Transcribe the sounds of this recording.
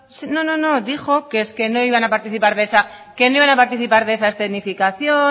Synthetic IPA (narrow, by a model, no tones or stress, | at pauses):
sino̞no̞no̞ðixo̞keeske̞no̞iβ̞anapaɾt̪iθipaɾðesa | ke̞noiβanapaɾt̪iθipaɾðeesast̪enifikaθjo